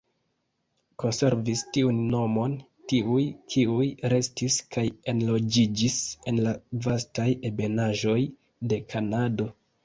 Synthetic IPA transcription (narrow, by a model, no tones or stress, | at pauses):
ko̞nse̞ɾvistiunːo̞mo̞n | tiujkʰiujɾe̞stiskaje̞nlo̞d͡ʒid͡ʒise̞nlavastaje̞be̞naʒo̞j | de̞kʰanado̞